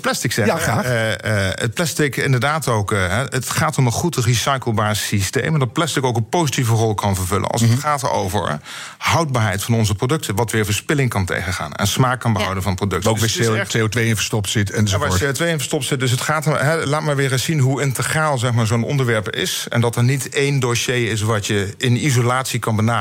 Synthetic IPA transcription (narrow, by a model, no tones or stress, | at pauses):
plɛstɪksɛaəplɛstɪkɪ̰ndəɹdaːtowkɦɛətχaːtɔmənχutrisɑjkəlˠbaːɹsistḛjmndɑt̚plɛstɪkowkənpowzitivərɔlˠkʰɑnvəɹvɵlə̰nɑ̰lˠsəχaːto̰wvə̰ɹ | ɦɑwd̚baːɹɦɛjtfɑnɔnzəprowdɵk̚tʰəʋɑtʋɪːɹvəɹspɪlɪŋkɑntḛjχəχa̰ːnɛ̰nsmaːk̚kːɑnbəɦɑwdənvɑnprodɵk̚toeotʋejɪnvə̥stɔptsɪtɛnzʋaːseotʋejɪnvəɹstɔp̚tsɪt̚dɵs̬ɦətχaːtɦɛlaːtmaːɹʋɪːɹəssinɦuɪntəχraːlˠzɛχmaːɹzownɔ̰ndəɹʋɛɹpɪ̰sɛ̰ndɑtɛɹnitejndoʃejɪs̬ʋɑtjəɪnizolaːtsikɑnbənaː